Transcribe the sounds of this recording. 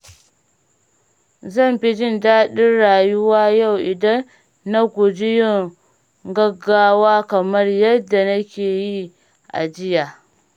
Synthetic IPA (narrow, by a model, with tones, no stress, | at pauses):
zɐ˦˨mɸi˦d͡ʒɪ˦˨ndaː˦ɗɪ˦nɽaː˨jʊ˦waː˦ja˦˨wʔɪ˨dɐ˦nː | a˦ɡʷʊ˨d͡ʒɪ˦jɪ˦ŋ | ɡɐ˦ɡːaː˦waː˦kɐ˨mɐ˦rjɐ˦dːa˨nɐ˦kʲeː˨ji˦ | ʔa̰˨d͡ʒɪ˦jaː˨